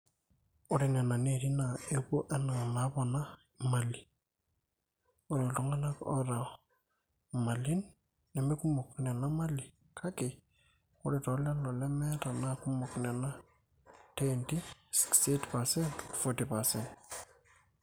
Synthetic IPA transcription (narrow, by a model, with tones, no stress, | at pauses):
ʊ˦ɾe˨nɛ˨na˨neɾi˦na˨e˦bo˦ʔɛ˦na˨ma˨˦bɔ˨na˦ | ma˨li˨ | o˦ɾɔ˨lʊ˦ŋa˦la˦kɔ̰ɾa˨ | ma˨li˦nː | ɛ˨me˦ku˦mɔ˨knɛ˨na˦ma˦li˨ | kʰa˦kɪ˨ | ʊ˦ɾe˨tɔ˦lɛ˦lɔ˨lɛ˦mɛ˦ta˨na˦ku˦mɔ˨knɛ˨na˦ | te˦nti˦si̥ksetpa˨sɛ˦ntfɔti˨pa˨sɛnt